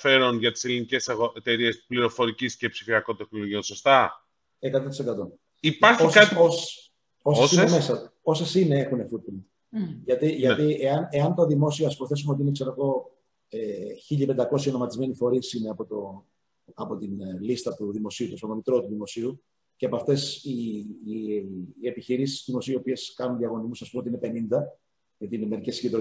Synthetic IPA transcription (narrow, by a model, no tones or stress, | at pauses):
fe̞ɾonʝɐt̪i̥selinice̞sɐɣoʔet̪e̞ɾie̞spliɾo̞fo̞ɾicisce̞psifiɐko̞nt̪e̞xnoloʝio̞nso̞st̪ɐ | e̞kɐt̪ot̪ise̞kɐt̪o̞n | ipɐɾçoiskɐt̪ios | osesiemesɐo̞sesine̞e̞xune̞fut̪̚pɾind̪ | ʝɐt̪iʝɐt̪ieɐne̞ɐnt̪oðimo̞sioɐspoθe̞sumeot̪inekse̞ɾoɣo̞ | eçiʎɐipend̪ɐko̞s̬jɐono̞mɐt̪izme̞nifo̞ɾisineɐpo̞t̪o | ɐpo̞t̪inlist̪ɐt̪uðimo̞siut̪osonomit̪ɾot̪uðimo̞siu | ceɐpoɐft̪e̞si | epiçiɾisi̥sðimo̞siio̞pie̞skɐnunðiɐɣo̞nizmusɐspumeot̪inepe̞nind̪ɐ | ʝɐt̪ineme̞ɾicesiɟed̪ɾo